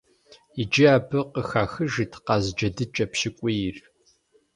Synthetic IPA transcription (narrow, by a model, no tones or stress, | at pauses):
id͡ʒiaːbɨqəxaːxɨʒitʰqɑːzd͡ʒɐdɨt͡ʃʼɐpɕɪkʷʼir